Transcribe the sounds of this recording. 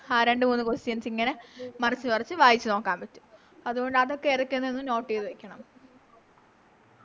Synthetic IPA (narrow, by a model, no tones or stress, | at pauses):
aːɾe̞ɳɖɨmuːnːɨkosijɐnt͡ɕːiŋːɐnemɐrɐt͡ɕːɨpɐrɐt͡ɕːɨʋaːjit͡ɕːɨno̞ːkːaːmpɐtːu̥ | ɐðuɣo̞ɳɖɨɐðo̞kːeiɾɐkʲːunːɐenːɨno̞ːʈːiːðʋekʲːɐɳɐm